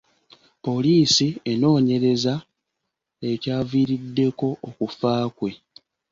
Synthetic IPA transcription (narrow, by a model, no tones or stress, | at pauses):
po̞liːsie̞no̞ːɲe̞ɾe̞za | e̞caːviːɾidːe̞ko̞ʔːkufaːkwe̞